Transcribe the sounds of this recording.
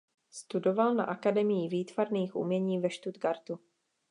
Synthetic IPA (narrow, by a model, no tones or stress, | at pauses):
st̪udo̞valna̰ʔakadɛmɪjɪviːt̪v̥aɾniːxʔṵmɲɛɲiːvɛʃt̪ud̪ɡaɾt̪u